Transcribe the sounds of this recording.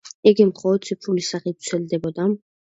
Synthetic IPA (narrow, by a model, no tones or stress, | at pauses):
ɛɡɛmχɔːt̪sʰipʰulisaχit̪̚t̪sʰɛld̪ɛbɔd̪am